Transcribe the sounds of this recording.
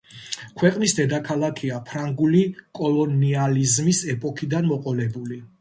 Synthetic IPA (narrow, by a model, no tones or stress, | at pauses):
kʰwɛqʼnisd̪ɛd̪akʰalˠakʰiapʰɾaŋɡulikʼɔlˠɔnializmisɛpʼɔkʰid̪anmɔqʼɔlɛbuli